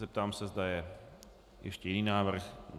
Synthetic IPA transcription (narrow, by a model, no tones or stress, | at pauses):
ɛp̚t̪aːmsɛzdajɛ | jɛ̰ʃcɛjɛdniːnaːvr̩x